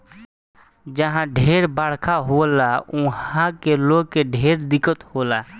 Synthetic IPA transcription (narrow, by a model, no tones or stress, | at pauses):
d͡ʒəɦãɖʱeːɾbəɽ̤kʰaɦolaũɦãkeloɡkeɖʱeɾd̪ɪkət̪hola